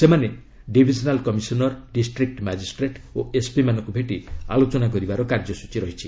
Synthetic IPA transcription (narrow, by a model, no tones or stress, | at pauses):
semane | ɖibʱid͡ʒɔnalkɔmisɔnɔɾɖisʈɾik̚ʈmad͡ʒisʈɾeʈoespimanɔŋkubʱeʈia̰lot͡ʃɔnakɔɾibaɾɔkaɾd͡ʒɔsu̥t͡ʃiɾɔɦit͡ʃʰi